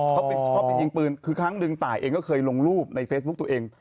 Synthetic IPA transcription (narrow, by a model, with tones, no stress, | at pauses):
kʰa˦˥wkʰa˦˥wpa˧jji˧ŋpɯː˧nkʰɯː˧kʰɾaː˦˥ŋnɯ˧ŋt̪aː˨˩jʔeː˧ŋkɔ˥˩kʰɤː˧jlo˧ŋɾuː˥˩p̚na˧jfe˦˥s̚bu˦˥k̚t̪u˧ʔeː˧ŋ